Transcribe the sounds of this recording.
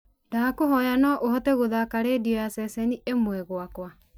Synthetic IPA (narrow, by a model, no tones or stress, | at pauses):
ndaːkoɦɔjanɔʔohɔtɛɣoðakaɾeːdiɔjasɛsɛniʔemwɛɣwakwa